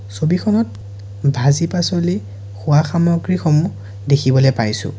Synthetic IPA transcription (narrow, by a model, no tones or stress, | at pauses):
sobixʰɔnɔt̚ | bʱazipasɔli | xʊwaxamɔɡɹixɔmu | dekʰibɔlɛpajsʊ̰̃